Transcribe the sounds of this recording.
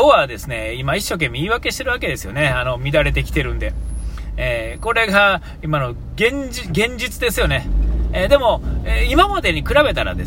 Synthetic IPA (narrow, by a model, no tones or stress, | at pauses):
oβad̪e̞sɨne̞imaiɕːo̞k̬e̞mʲːeiːβake̞ɕi̥t̪eɾɯ̟βake̞d̪e̞sɨjo̞̰ne̞ano̞mʲid̪aɾe̞t̪̬e̞kʲi̥t̪e̞ɾɯ̟̃nd̪e̞eːko̞ɾe̞ɡa | imano̞ | ɡẽ̞ɲd͡ʑiɡẽ̞ɲ̟d͡ʑit͡sɨd̪e̞sɨjo̞ne̞d̪e̞mo̞eːimamad̪e̞ɲ̟ikɯ̟ɾabe̞t̪aɾa̰d̪e